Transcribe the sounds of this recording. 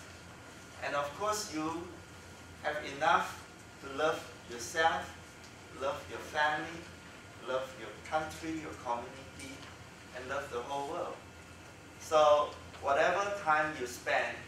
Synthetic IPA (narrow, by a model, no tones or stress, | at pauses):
ʔɛ̰̃nɔfkʰɔsju | hɛvinaf | tulʌv | jɔsɛlf | lʌvjɔfɛ̃mlli | lavjɔkʰãntʰɹijɔkʰɔmjuniti | ʔɛ̃nlʌvdəholwəld | so | wɔɾɛvətʰãɪ̃mjuspɛ̃n